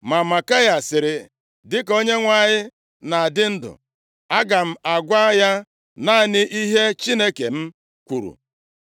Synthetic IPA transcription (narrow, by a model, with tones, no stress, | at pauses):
ma˨ma˨ka˦ja˨sɪ˨ɾɪ˨ | dɪ˦ko˦ɲe˦ŋʷa˨ɲɪ˦ | na˨a˨dɪ˦n̩˦dʊ̰˨ | a˦ɡa˨m̩˦a˨ɡʷa˦ja˦ | na˦˨nɪ˦ʔi˦ɦe˦t͡ʃi˦ne˦ke˨m̩˦ | kʷu˨ɾṵ˨